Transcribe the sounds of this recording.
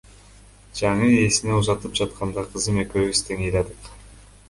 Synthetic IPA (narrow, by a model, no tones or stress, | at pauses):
d͡ʒɑɴɯe̞sineuzɑt̪ɯp̚d͡ʒɑt̪qɑnd̪ɑqʰɯzɯme̞køβist̪ʰeŋejlɑd̪ɯq